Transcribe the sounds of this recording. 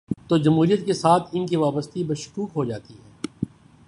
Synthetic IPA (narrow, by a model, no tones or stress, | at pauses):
t̪oːd͡ʒɐmɦuːɾijət̪̚kesaːt̪ʰɪnkiʋaːbəst̪ibɐʃʊ̥kuːkɦod͡ʒaːt̪iɦɛː